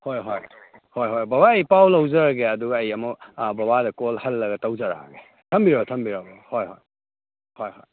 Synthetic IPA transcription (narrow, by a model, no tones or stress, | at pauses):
hojɦoj | hojɦojbabaɐjpawlɐwzɐɾɐɡeɐduɡɐjɐmɔbɐbadɐkolhɐlːɐɡɐtawzɐɾa̰ɡe | tʰɐmbiɾabtʰɐmbiɾabɐhojɦo̰j | hojɦo̰j